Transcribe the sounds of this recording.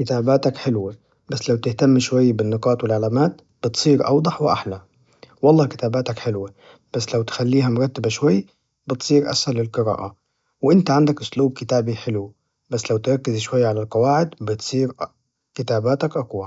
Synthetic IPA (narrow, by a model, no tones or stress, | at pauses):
kɪt̪aːbaːt̪akħɪlwe | basːlawt̪ɪht̪amːʃwajːabɪnːɨqɑːt̪wɪlʕalaːmaːt̪̚ | b̥ɪt̪sˤiːɾʔɑ̰wd̪ˤɑħwɪʔa̰ħla | wɑlˤːɑːkɪ̥t̪aːbaːt̪akħɪlwe | b̥asːlawt̪xalːiːɦamʊɾˤɑt̪ːɪbaʃwajː | bɪt̪sˤiːɾʔa̰shalːɪlqɨɾɑ̰ːʔa | wʔɪnt̪aʕand̪akʔʊsluːb̚kɪt̪aːbiħɪlw | basːlawt̪ɾˤɑkːɪzʃwajːaʕalalqɑwaːʕɪd̪bɪt̪sˤiːɾ | kɪt̪aːbaːt̪akʔɑqwa